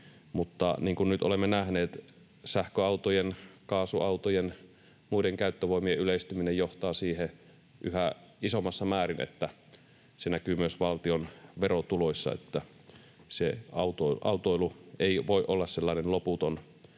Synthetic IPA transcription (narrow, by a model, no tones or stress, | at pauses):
mut̪ːɑ̰niːŋkunnyt̪ʔo̰lemːenæhneːt̪ | sæhkøɑut̪ojenkɑːsuʔɑut̪ojen | muideŋkæyt̪ːøʋoimieʔyleist̪yminejoht̪ɑːsiːhe | ʔyhæʔisomːˑɑsːɑmæːrinḛt̪ːæ | senækyːmyøsʋɑlt̪ionʋerot̪uloisʲːɑ̰ḛt̪ːæ | seɑut̪oʔɑ̰ut̪oilueˑiʋoiʔolːɑsselːɑˑinenloput̪on